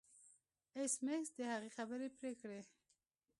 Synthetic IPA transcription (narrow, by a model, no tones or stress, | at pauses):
esmesd̪əhaɣexabəɾepɾekɽe